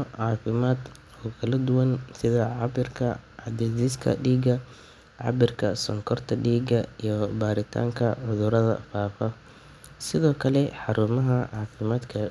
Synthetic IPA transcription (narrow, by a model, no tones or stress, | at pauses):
ʕɑːfɪmaːd̪ | ɔːkʰɐlɐd̪ʊwɐnsɪðɐʕɑbɪrkʰɐʕɑd̪ɛːdiːskʰɐ̰ɖiːɡɐ | ʕɑ̰bɪrkʰɐsɔŋkʰɔrt̪ʰɐɖiːɡɐijɞbaːɾɪt̪ʰa̰ːŋkʰɐʕʊðʊɾɐðɐ̰faːfɐ | sɪðɔːkʰɐlɛħɑɾuːmɐɦɐʕɑːfɪmaːd̪kʰɐ